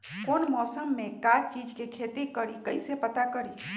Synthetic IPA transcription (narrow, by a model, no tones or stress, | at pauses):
konmɔsəmːekat͡ʃid͡ʒkekʰet̪ikəɾikəjsepət̪akəɾi